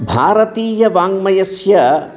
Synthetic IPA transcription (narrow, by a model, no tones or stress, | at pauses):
bʱaːɾɐt̪iːjɐʋaːŋmɐjɐsjɐ